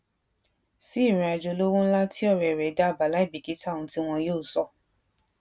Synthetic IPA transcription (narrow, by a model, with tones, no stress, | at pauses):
si˦˨ɾ̃ĩ˧a˧d͡ʒo˧lo˦wũ˦la˦tʰi˦ɔ˦˨ɾɛ˨ɾɛ˨˦da˦˨ba˨˦la˦i˦˨bi˨ki˨˦tʰa˦˨ũ˧ti˦w̃ɔ̃˧joː˦˨sɔ˧